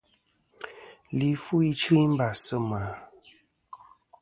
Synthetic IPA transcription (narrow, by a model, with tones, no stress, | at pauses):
li˨fu˦i˦t͡ʃɨ˦i˦m̩˦ba˨sə˦ma˨